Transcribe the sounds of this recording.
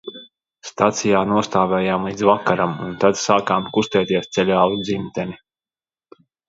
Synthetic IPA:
st̪at̪sijaːnuɔst̪aːvʲɛːjaːmlˠiːd̪zvakaɾamṵnt̪ad̪saːkaːmkust̪ɛːt̪iɛst̪sɛlʲaːlˠud̪zimt̪ɛni

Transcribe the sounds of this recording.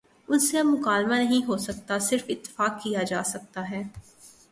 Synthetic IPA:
ʊnseɐbmʊkaːlmanɐɦĩɦosɐk̚t̪asɪɾfɪt̪ːɪ̥faːkːijad͡ʒaːsɐk̚t̪aɦɛː

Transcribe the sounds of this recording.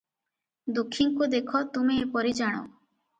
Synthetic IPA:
d̪ukʰːiŋkud̪ekʰɔt̪umiːpɔɾid͡ʒaɽ̃ɔ̰

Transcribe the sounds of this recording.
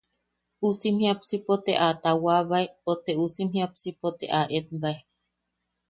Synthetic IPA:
usimhiapsipot̪eʔat̪awaβaeot̪eusimhiap̚sipot̪ḛʔaʔet̪̚bae

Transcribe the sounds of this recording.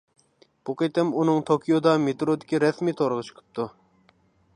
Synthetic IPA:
b̥uqet̪ɪmunɨŋt̪ʰokʰʲijod̪ɑmet̪ɾod̪ɪkʲiɾɛsmit̪ʰoɾəʁət͡ʃʰqʰɨ̥p̚t̪ʰu

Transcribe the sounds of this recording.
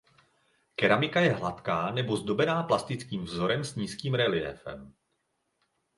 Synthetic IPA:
kɛɾamɪkajɛɦlat̪kaːnɛbo̞zdo̞bɛnaːplast̪ɪt͡skiːmvzo̞ɾɛmsɲiːskiːmɾɛlɪɛ̰fɛ̰m

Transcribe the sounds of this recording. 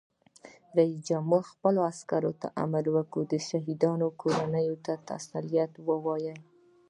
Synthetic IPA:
ɾais̬d͡ʒamuxpəloaskaɾot̪a̰ʔa̰malwəkud̪əʃaɦid̪ɑnokʰoɾanəjot̪at̪a̰salijat̪wəwɑjəl

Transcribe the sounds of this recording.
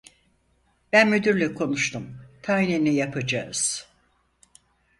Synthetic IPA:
bænmyd̪yɾlʲykʰo̞nuʃt̪ʰumt̪ʰaɦnenijapʰad͡ʒaɯz̥

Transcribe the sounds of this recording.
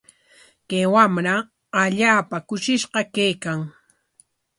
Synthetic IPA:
kajwamɾa | aʎaːpakʊʃɪʃɢɑkajkaŋ

